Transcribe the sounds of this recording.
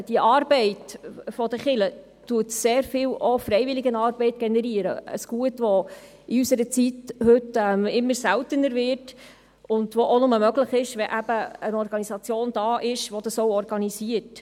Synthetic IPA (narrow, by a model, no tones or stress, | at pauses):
d̥iəʔɑːɾbɛɪtfɔd̥̪əχɪlə | tuətseːɾfɪlɔfɾɛɪvɪlɪɡənɑːɾbɛɪt̚ɡ̥ɛnɛɾiəɾə̰ə̰sɡ̥uətʋɔ | iysəɾət͡sithɵtɛmɪmːəɾsæltənəɾvɪrt | ʊndʋɔʔonʊməmœɡləχɪʃʋɛʔæb̥əənɔɾɡ̥ɑnisɑt͡sjoːnd̥̪ɑːʔɪʃʋɔd̥ɑsɔwɔɾɡɑniziət